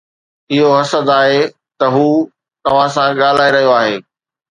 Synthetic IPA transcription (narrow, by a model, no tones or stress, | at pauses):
ɪɦoɦɐsəd̪aːɦe | t̪ɐɦuː | t̪ɐʋ̤ãsãɠaːl̤aːiɾɐɦijoaːɦeː